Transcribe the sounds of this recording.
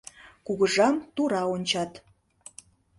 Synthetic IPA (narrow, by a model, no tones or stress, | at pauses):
kuɣəʒɑmt̪uɾɑonʲt͡ɕɑt̪